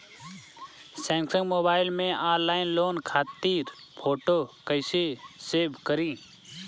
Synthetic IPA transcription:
sɛ̃ːŋksə̃ŋɡmoːbaːɪlmẽːʔaːɾlaːɪnloːnkʰaːt̪iːɾ | pʰoːʈoːkəɪseseːbʱkəɾĩː

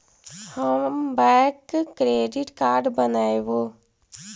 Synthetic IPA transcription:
həmbɛkːɾeːɖɪʈkaːɾɖbənaːeʋoː

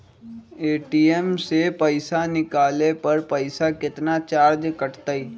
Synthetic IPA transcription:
eːʈiːemsepəɪsanɪkaːlepɐɾpəɪsakɪt̪nat͡ʃaːɾd͡ʒkəʈt̪aiː

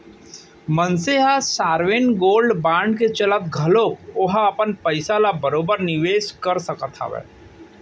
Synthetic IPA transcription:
mənseɦasaːɾʋenɡoːlɖbãːɳɖket͡ʃɐlət̪̚ɡʱɐloːkoɦaɐpənpɐɪsalabɐɾoːbəɾnɪʋeːʃkɐɾsɐkət̪ʰa̰ʋɛ̰ː

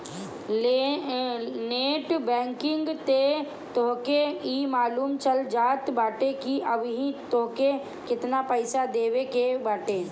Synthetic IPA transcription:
e | neːʈbɛ̃ːŋkɪ̃ŋɡt̪e | t̪oɦkeiːmaːluːmt͡ʃəld͡ʒaːt̪baːʈekiɐbɦĩt̪oːke | kɪt̪napəɪsad̪eːwekebaːʈeː

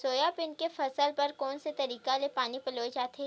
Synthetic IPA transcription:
soːjapɪnkefɐsəlpɐɾkɔːnset̪ɐɾiːkalepaːnipɐloːed͡ʒaːt̪ʰeː

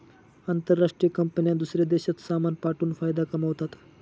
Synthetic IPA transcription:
ant̪əɾːaʂʈɾijəkəmpənjãd̪usɾed̪eɕat̪samanpaʈuːnfajd̪akəməʋt̪at̪

